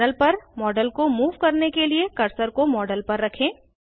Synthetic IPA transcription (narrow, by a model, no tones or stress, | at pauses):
əlpɐɾmɔːɖəlkomuːʋkɐɾnekeliekɐɾsəɾkomɔːɖəlpɐɾːɐkʰẽː